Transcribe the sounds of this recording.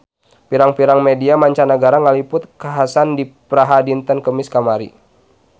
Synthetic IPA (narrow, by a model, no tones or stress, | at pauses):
piɾaŋpiɾaŋmediamaɲt͡ʃanəɡaɾaŋalipʊt̪̚kaɦasandipɾaɦadint̪ənkəmiskamaɾḭ